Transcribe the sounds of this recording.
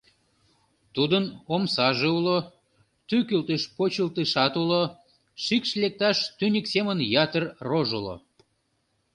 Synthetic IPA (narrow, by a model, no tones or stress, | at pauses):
t̪ud̪ənomsɑʒeulo | t̪ykylt̪eʃpot͡ɕilt̪əʃɑt̪ulo | ʃikʃlek̚t̪ɑʃt̪ynʲiksemənjɑt̪ərroʒulo̰